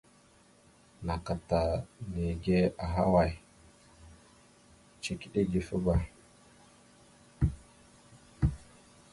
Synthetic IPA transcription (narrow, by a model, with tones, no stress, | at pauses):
na˨ka˨ta˨me˨ɡe˦a˨ɦa̰˦wa˨j | t͡ʃe˨ki˦ɗe˦ɡi˨fi˦ba˦